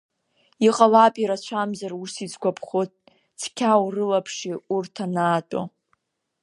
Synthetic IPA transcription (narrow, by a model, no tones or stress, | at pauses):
iqʼalapʼiɾat͡ɕʷʰamzarusit͡sɡʷapʰχot̚ | t͡sʰkʲʰawrɨlapʰʂiurtʰanaːtʼo̰